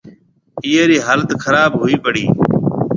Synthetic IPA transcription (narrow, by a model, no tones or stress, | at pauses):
iːeːɾiːɦaːlət̪kʰəɾaːbɦʊːiːpəɽiː